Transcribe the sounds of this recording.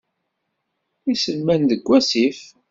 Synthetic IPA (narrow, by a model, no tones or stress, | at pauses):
isəlmænðəɡʷːæsif